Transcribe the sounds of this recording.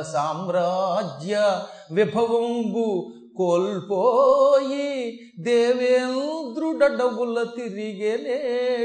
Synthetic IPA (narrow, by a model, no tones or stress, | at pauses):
saːmɾad͡ʒjɐ | ʋibʱɐʋɐmbu | koːlpoːji | d̪eːʋeːnũd̪ɾuɖɐɖɐɡulɐt̪iɾiɡele